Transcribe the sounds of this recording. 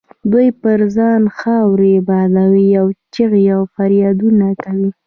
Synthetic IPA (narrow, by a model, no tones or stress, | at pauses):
d̪ujpəɾzɑnxɑwɾebɑd̪awijawt͡ʃɪɣjawfaɾjɑd̪unakawi